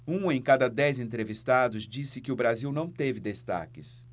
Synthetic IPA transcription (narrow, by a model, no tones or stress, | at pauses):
ũẽj̃kad̪ɐd̪ɛjzẽnt̪ɾevist̪ad̪ʊzd͡ʒisɪkɪʊbɾaziwnɐ̃w̃t̪evɪd̪est̪a̰kɪs